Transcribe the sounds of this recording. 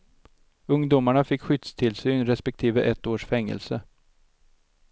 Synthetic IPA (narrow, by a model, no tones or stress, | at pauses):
ɵŋd̪ʊmaɳafɪkɧʏt̪st̪ʰɪlsyːnɾɛspɛk̚t̪ʰiːvəʔɛt̪ːoːʂfɛŋːə̰lsə